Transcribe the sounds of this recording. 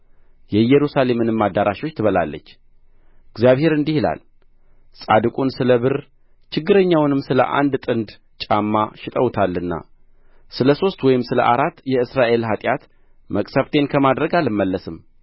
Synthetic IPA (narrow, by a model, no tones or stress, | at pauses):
jɛjɛɾusale̞mɨnɨmːad̪ːaɾaʃwo̞t͡ʃːt̪ʰɨβəla̰lːə̰t͡ʃː | ɪɡzjaβhe̞ɾɨnd̪ihila̰l | sʼa̰d̪ɨkʼunsɨləβɨɾ | t͡ʃɪɡːɨɾəɲːawnɨmsɨlə̰ʔa̰nd̪t̪ʼɨnd̪ | t͡ʃʼamːaʃɪt̪ʼəwt̪ʰalːɨnːa̰ | sɨləso̞st̪wɔjɪmsɨlə̰ʔaɾat̪ːjɛɨsɾaʔe̞lɦat̪ʼjat̪ | məkʼsəβt̪ʰe̞nkʰəmad̪ɾəɡalɨmːəlːəsɨm